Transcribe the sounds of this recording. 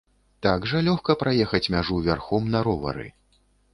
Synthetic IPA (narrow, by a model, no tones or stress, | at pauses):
t̪aɡʐɐlʲɔxkɐpɾajɛxɐt͡sʲmʲaʐuvʲarxɔmnɐɾɔvɐ̰ɾɨ̰